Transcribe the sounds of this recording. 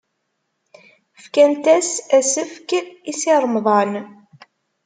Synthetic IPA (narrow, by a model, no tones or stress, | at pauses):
fkænt̪æsæsəfkisiɾˤəmðˤɑn